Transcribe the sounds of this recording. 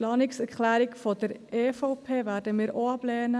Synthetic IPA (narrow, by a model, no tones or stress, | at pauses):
lɑːnɪksɛɾkχlæːɾɪkfɔd̪əɾeːfoʊpʰeːvæːɾdəmɪːɾʔoɑblɛːnə